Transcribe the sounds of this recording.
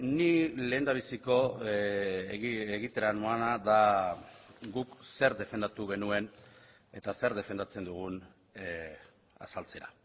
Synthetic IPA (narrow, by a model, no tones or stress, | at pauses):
nile̞ːnd̪aβ̞isiko̞ | eɣit̪eɾanoanaða | ɡukse̞ɾd̪e̞fe̞nd̪at̪uɣ̞e̞nue̞n | e̞t̪ase̞ɾðe̞fe̞nd̪at͡se̞nd̪uɣ̞un | a̰salt͡se̞ɾa̰